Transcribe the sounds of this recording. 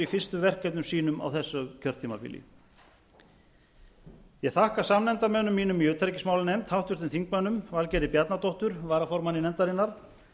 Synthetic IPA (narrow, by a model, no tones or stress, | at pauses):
ifɪrst̪ʏvɛr̥kːɛt̪nʏmsiːnʏma̰wθɛsːʏcʰœr̥t̪ʰiːmapɪ̰lɪ̰ | jɛɣθahkasamnɛnt̪amɛːnʏmːiːnʏmjʏːt̪ʰɾcɪsmawlʏnɛjm̥t̪hawht̪ʏɾ̥t̪ɪnθiŋkmœnʏmvalcɛːɾɪpjat̪nat̪ɔwht̪ʏɾvaːɾafɔɾmanːɪnɛnt̪aɾɪnːaɾ̥